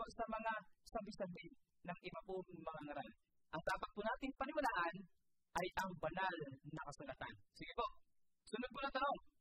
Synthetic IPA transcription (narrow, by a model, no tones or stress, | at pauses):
osɐmɐŋasambɪsɐmbɪ | nɐŋʔɪbɐpʊŋmɐŋaŋɐɾan | ʔɐŋd̪aːpat̪̚pʊnaːt̪ɪŋpɐnɪwɐlaːʔan | ʔajʔɐŋbɐnalnɐkɐsʊlat̪ansɪɡɪpo | sʊnʊd̪̚pʊnɐt̪ɐno̞ŋ